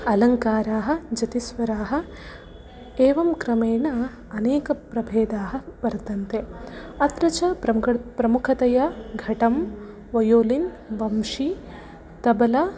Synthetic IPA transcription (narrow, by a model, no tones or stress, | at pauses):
ɐlɐŋkaːɾaːɦɐ̆d͡ʒɐt̪isʋɐɾaːɦɐ̆ | eːʋɐmkɾɐmeːnɐ | ɐneːkɐpɾɐbʱeːd̪aːɦɐ̆ʋɐɾt̪ɐnt̪eɐt̪ɾɐt͡ʃɐɐpɾɐmukʰɐt̪ɐjaɡʱɐʈɐm | ʋɐjoːlin | ʋɐmʂi | t̪ɐbɐlɐ